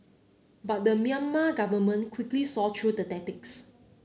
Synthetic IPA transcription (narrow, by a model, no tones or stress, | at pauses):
bat̚dəmĩãnmaɡavəmə̃nkʰwiklisɔtʰɹudətɛtɪks